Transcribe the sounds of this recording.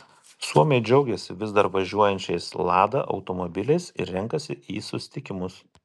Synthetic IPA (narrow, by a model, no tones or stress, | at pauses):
suɔmʲɛɪd͡ʒʲɛʊɡʲɛsʲɪʋʲɪzd̪ɐɾʋɐʒʲuɔjɛnʲt͡ʃʲɛɪslˠɑːd̪ɐ̰ʔɐ̰ʊt̪omobʲɪlʲɛɪsɪ̰ɾɾʲɛŋkɐsʲɪiːsʊsʲɪ̥t̪ʲɪkʲɪmʊs